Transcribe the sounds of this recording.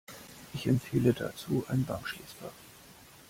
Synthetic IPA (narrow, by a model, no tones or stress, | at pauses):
ʔɪçɛmtfeːləda̰t͡suːʔa̰ɪnbaŋkʃleːsb̥a